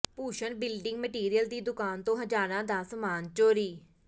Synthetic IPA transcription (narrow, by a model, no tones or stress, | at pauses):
puːʃəɳbɪlɖɪŋɡməʈiːɾijəld̪iːd̪ʊkaːnt̪õːɦəd͡ʒaːɾãːd̪aːsəmaːnt͡ʃoːɾiː